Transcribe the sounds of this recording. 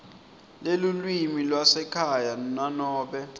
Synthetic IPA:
lelulwimilwasɛkʰajananɔːɓɛ

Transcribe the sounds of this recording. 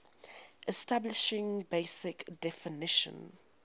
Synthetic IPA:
ʔɛstablɪʃɪ̃ŋbeɪsɪkd̥ɛfɪnɪʃə̰̃n

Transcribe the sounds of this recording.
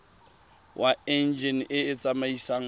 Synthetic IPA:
wʔaɛnd͡ʒɛnɪɪt͡sʼamaisaŋ̩

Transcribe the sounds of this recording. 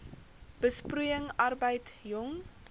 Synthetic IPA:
b̥əsprujəŋɐrbəjtjɔŋ

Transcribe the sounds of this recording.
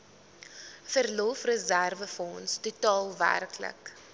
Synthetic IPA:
fərlɔfrəzærvəfɔnstutɑːlˠvæ̰rklə̰k

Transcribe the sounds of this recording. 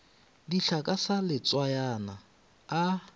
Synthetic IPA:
diɬakʼasalɪt͡sʼwajanaː

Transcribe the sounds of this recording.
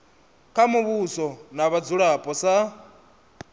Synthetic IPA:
kʰamuβusɔnaβad͡zuɺapʼɔsa

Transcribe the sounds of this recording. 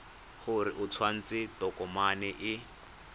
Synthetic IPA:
χʊɾɪʔʊt͡sʰwan̩t͡sɪtɔkɔmanɪʔɪ

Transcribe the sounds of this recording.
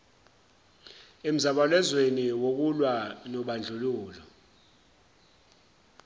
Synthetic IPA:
em̩zaɓalɛzweniwok̬ulwanɔɓand͡ɮʱuluːlɔ

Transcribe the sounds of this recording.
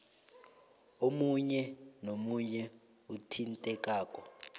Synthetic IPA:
omuɲɛnomuɲɛ | utʰintʼɛk̬ʼaːkʼɔ

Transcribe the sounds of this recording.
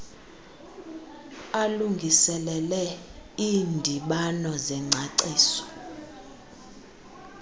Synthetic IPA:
aluŋɡʱisɛlɛlɛiːndʱiɓanɔzɛŋ͡ǀʱaǀeːsɔ̥

